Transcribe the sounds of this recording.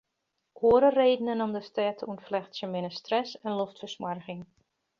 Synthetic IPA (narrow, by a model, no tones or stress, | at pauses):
ʔoəɾəreːdənənomdəstɛːtʰəunflɛxtsjəmɪnəstrɛsɛnloftfəsmarɣɪŋ